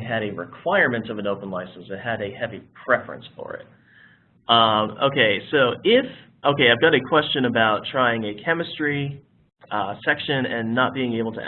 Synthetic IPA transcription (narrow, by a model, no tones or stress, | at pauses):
ɨɾɨɹɪ̰kʰw̥aɪə˞mɨ̃ntʌvɨ̃noʊpə̃n̩laɪsn̩sɨt̚ɨɾɨhɛvipʰɹ̥ɛfɹɨ̰̃nsfə̰˞ɪ̰t̚ | ʌ̃mo̰ʊkʰeɪsoʊʔɪf | ʔoʊkeɪaɪvɡɑɾɨkʰw̥ɛst͡ʃɨ̃nɨbaʊtʰɹ̥aɪɪ̃ŋɨkʰɛmɨstɹ̥i | sɛkʃɨ̃nɨ̃nːət̚b̥iɪ̃ŋeɪbl̩ˠtʰə̰